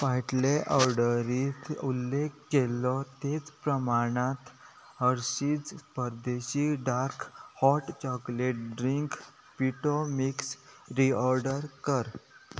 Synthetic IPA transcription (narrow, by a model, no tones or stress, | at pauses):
ʋaʈleʔɔɾɖəɾit̪ulːekːelɔt̪et͡spɾəmaɽ̃at̪ | həɾɕiːd͡zpəɾd̪eɕiɖaɾkʰhɔʈt͡ɕɔkleʈ̚ɖɾiŋk | piʈomiksɾiɔɾɖəɾkəɾ